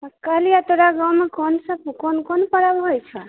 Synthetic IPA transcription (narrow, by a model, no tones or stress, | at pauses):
kalijat̪oɾaɡawmekonsəbkonkonpəɾabɦojt͡ʃʰə